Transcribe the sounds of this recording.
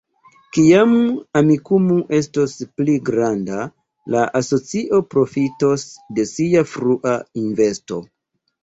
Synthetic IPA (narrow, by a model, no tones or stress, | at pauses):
kiamamikumuʔe̞stospliɡɾanda | laʔaso̞t͡siʔo̞pɾo̞fitosde̞siafɾuʔainve̞sto̞